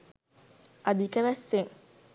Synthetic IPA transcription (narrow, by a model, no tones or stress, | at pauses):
ad̪ikəʋæsːeŋ